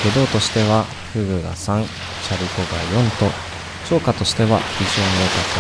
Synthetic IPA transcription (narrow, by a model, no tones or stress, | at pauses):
e̞d̪o̞ːt̪o̞ɕi̥t̪e̞βa | ɸɯ̟ɡɯ̟ɡa̰sãŋ | ɕaɾʲikoɡajõ̞nt̪o̞ | t͡ɕo̞ːkat̪o̞ɕi̥t̪e̞βa̰bʲiʑoːmeːkat͡sɨ